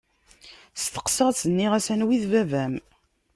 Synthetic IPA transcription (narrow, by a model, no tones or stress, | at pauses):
st̪ə̥qsəʁsənːiʁæsænwiðvævæm